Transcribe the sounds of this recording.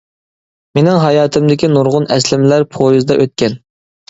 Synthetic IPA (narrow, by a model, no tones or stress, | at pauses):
menɪŋɦɑjɑːt̪ʰɨmd̪ɪkʲinuɾʁʊnɛslɪmlæɾpʰojuzd̪ɑʔøt̪̚kʲɛn